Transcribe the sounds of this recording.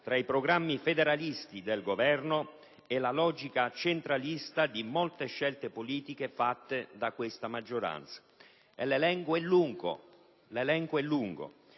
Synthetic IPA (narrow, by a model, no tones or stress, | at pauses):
t̪ɾaipɾoɡɾamːifed̪eɾalist̪id̪elɡovɛrno | ɛlalɔd͡ʒikat͡ʃent̪ɾalist̪ad̪imolt̪eʃːɛlt̪epoliːt̪ikefat̪ːed̪akwest̪amad͡ʒːoɾa̰nt̪sḁ | elelɛŋkoɛlːuŋko̰ | lelɛŋkoɛlːuŋɡo̰